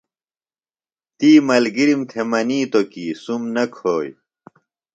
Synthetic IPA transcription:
t̪iːmɐlɡiɾimt̪ʰemɐniːt̪okiːsumnɐkʰoːj

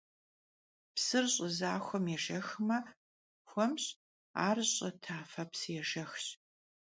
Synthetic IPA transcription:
psɨrɕʼəzaːxʷɔmjɛʒɐxmɐ | xʷɔmɕʼ | a̰ːrɕʼɐtʰaːfɐpsɨjɛʒɐxɕ

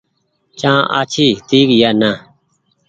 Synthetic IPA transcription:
t͡ʃãːʔa̰ːt͡ʃʰiːt̪iːkjaːnãː

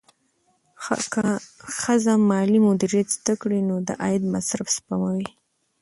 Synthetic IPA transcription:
kaxəzamɑlimʊd̪iɾijat̪zd̪akɽinod̪ə̰ʔɑjɪd̪masɾafspamawi

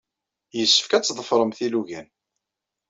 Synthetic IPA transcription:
jəsːə̥fkæt͡sːðˤəfɾˤəmθiluʝæn

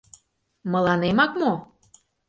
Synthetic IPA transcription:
mə̆lɑnemɑkmo

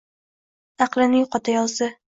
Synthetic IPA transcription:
ɑqlˠɪnɪŋqʰɒt̪ʰajɒlˠsɪ

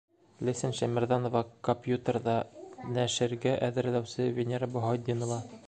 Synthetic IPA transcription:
lɘ̆sɘnʃæmɘ̆ɾðɑnŏvɑkompʲjut̪ərd̪ɑnæʃɘ̆ɾɡæʔæðɘ̆ɾlæwsɘvʲenʲeɾabŏɦɒd̪ʲːinŏvɑ

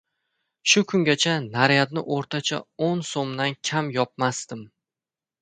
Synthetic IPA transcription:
ʃʊkʰʊŋɡʲat͡ʃʰanaɾjat̪nɪ̰ʔoɾt̪ʰat͡ʃʰa̰onsomd̪ankʲʰamjɒp̚mast̪ɪm

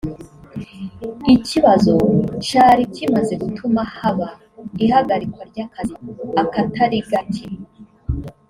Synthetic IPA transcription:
iciβazo̞t͡ʃaːɾicimaze̞ɡutʰumahaβa | ihaɡaɾikwaɾɟakʰaziakataɾiɡatʰi

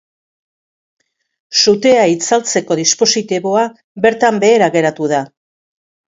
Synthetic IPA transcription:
sut̪e̞ait͡salt͡se̞ko̞ðispo̞sit̪iβo̞a | be̞ɾt̪ambe̞ːɾaɣe̞ɾat̪uð̞a

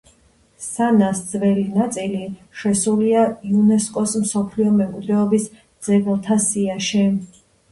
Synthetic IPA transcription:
sanasd̪zvɛlinat̪sʼiliʃɛsuliaiunɛskʼɔsmsɔpʰliɔmɛmkʼwid̪ɾɛɔbis | d̪z̥ɛɡɛlˠt̪ʰasiaʃɛ

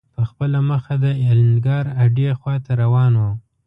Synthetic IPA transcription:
pəxpəlaməxad̪əelnɡɑɾaɖexwɑt̪aɾawɑnwo

